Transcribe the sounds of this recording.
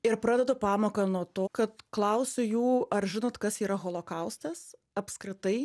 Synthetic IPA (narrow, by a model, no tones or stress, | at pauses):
ɪɾpɾɑːd̪ʲɛd̪ʊpɑːmoːkɐnuɔt̪oːkɐt̪klˠɐʊsʲʊjuːɐɾʒʲɪnoːt̪kɐsiːɾɐɣoːlˠokɐʊst̪ʲɛs | ɐpskɾʲɪt̪ɐɪ